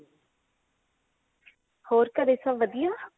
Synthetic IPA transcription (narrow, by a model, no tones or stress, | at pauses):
hoːɾkəd̪eːsəbʋəd̪ijaː